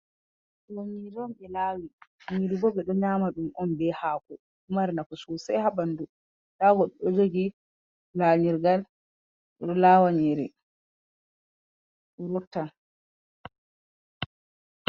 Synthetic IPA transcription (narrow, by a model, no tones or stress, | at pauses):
d͡ʒomiɾɔmɓɛlaːwimiɾibɔbɛɗɔɲaːmaɗumɔnbɛhaːkɔ | umaɾnakɔsɔsɛjhabandu | ɗaːɡɔɗɔɗɔd͡ʒoɡi | laɲiɾɡal | ɔɗɔlaːwaɲeɾɛ | ɔɾɔtːa